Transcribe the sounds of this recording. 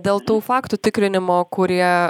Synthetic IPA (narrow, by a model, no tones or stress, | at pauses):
d̪ʲeːlˠt̪uːfɑːkt̪ut̪ʲɪkɾʲɪnʲɪmoːkʊɾʲiɛ